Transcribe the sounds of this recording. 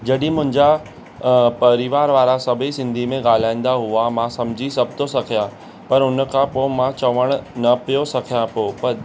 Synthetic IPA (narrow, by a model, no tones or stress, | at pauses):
d͡ʑɐɗɪ̃mʊ̃ɦɪ̃ɲd͡ʑa | pɐɾɪʋaːɾʋaːɾasɐbʱisɪ̃nd̪ʱimẽɠaːl̤aːĩn̆d̪aɦʊamãsɐmd͡ʑʱisɐb̚ʱt̪ʰosɐkʰijã | pɐɾʊnəkʰãpoːmãt͡ɕɐʋəɽ̃nɐpijosɐkʰijãpoːpɐɾ